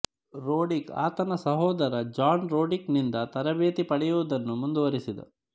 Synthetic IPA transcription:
ɾoːɖika̰ːt̪ɐnɐsɐɦɔːd̪ɐɾɐd͡ʒaːnɾoːɖiknind̪ɐt̪ɐɾɐbeːt̪ipɐɽɛjuʋud̪ɐnːumund̪uʋɐɾisid̪ɐ̰

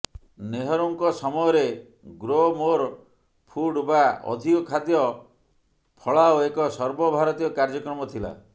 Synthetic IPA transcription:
neɦɔɾuŋkɔsɔmɔjɔɾe | ɡɾomoɾ | pʰuɖbaɔ̰d̪ʱikɔkʰad̪jɔ | pʰɔɭaoekɔsɔɾbɔbʱaɾɔt̪ijɔkaɾd͡ʒɔkɾɔmɔt̪ʰila̰

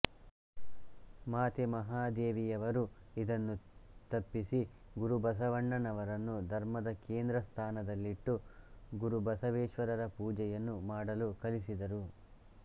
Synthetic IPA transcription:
maːt̪imɐɦaːd̪eːʋijɐʋɐɾuid̪ɐnːut̪ɐpːisi | ɡuɾubɐs̬ɐʋɐɳːɐnɐʋɐɾɐnːud̪ʱɐɾmɐd̪ɐkeːnd̪ɾɐst̪ʰaːnɐd̪ɐlːiʈːuɡuɾubɐsɐʋeːʃʋɐɾɐɾɐpuːd͡ʒɛjɐnːumaːɽɐlukɐlisid̪ɐɾu

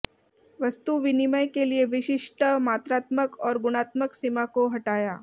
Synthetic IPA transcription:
ʋəst̪uʋiniməjkelieʋɪʃɪʂʈəmaːt̪ɾaːt̪məkɔːɾɡʊɽ̃aːt̪məksimakoɦɐʈaːjaː

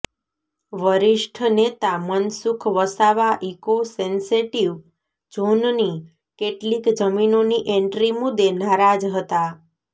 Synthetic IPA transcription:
ʋəɾiʃʈʰnet̪amənsukʰʋəsaʋaʔikosenseʈiʋ | d͡ʒonni | keʈlikd͡ʒəminoniʔeɳʈɾimud̪enaɾad͡ʒɦət̪a

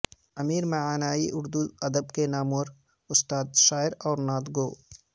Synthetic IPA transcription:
ɐmiːɾmɐʕaːnaːiʔʊɾd̪uɐd̪əbkenaːmwɐɾ | ʊst̪aːd̪ʃaːɪɾɔːɾnaːd̪ɡoː

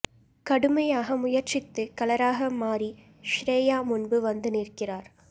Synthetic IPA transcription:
kɐɽɯmɐjaːɣɐmʊjɐɾt͡ʃɪt̪ːɯkɐlɐɾaːɣɐmaːɾi | ʃɾeːjaːmʊnbɯʋɐnd̪ɯniːɾkɪraːɾ

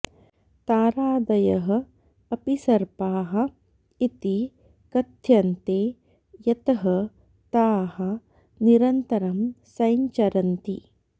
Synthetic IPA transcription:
t̪aːɾaːd̪ɐjɐɦɐ̆ | ɐpisɐɾpaːɦɐ̆ | it̪i | kɐt̪jɐnt̪eː | jɐt̪ɐɦɐ | t̪aːɦɐ̆ | niɾɐnt̪ɐɾɐmsɐjɲt͡ʃɐɾɐnt̪ḭ

